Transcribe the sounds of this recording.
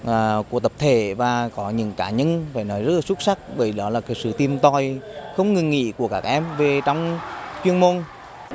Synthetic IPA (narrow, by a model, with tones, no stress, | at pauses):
ʔːku˧˩ət̪ə˨˩p̚t̪ʰe˧˩vaː˨˩kɔ˨˦ɲɨ̰˧˥ŋkaː˨˦ɲə˧nfaː˧˩jnɔ˨˦jzə˦˥t̚laː˨˩su˦˥t̚sa˦˥k̚ɓəː˧˩jɗɔ˨˦laː˨˩ksɨ̰˧˨t̪i˧əmt̪ɔ˧˩jxə˧wŋ͡mŋɨ˨˩ŋːḭ˧˨ku˧˩əkaː˦˥k̚ʔɛ˧mve˨˩t͡ɕɔ˧wŋ͡mt͡ɕwi˧ənmo˧n